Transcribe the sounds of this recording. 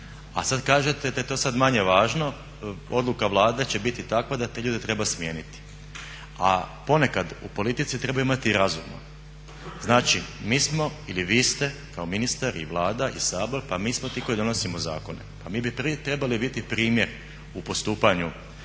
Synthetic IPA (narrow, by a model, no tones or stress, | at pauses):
a̰sad̪kaːʒe̞t̪e̞d̪ajet̪o̞ːsad̪maɲe̞ʋaːʒno̞ | o̞d̪lˠukaʋlˠaːd̪e̞t͡ɕe̞bit̪it̪akʋad̪at̪eʎuːd̪et̪ɾe̞basmje̞ːnit̪i̥ | apo̞ne̞kad̪ṵpo̞lit̪it̪sit̪ɾe̞bajimat̪iɾazṵma̰ | znaːt͡ʃimiːsmo̞iliʋiːst̪e̞kaominist̪aɾḭʋlˠaːd̪aʔḭsaːbo̞ɾpamiːsmo̞t̪iːko̞id̪o̞no̞simoza̰ːko̞ne̞̰pamiːbipɾit̪ɾe̞balibit̪ipɾiːmje̞ɾ | upo̞st̪uːpaɲu